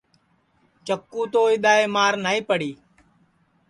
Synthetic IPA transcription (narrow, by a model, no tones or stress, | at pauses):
t͡ʃəkːũːt̪oːɪɗ̪aːeːmaːɾnaːĩːpəɽiː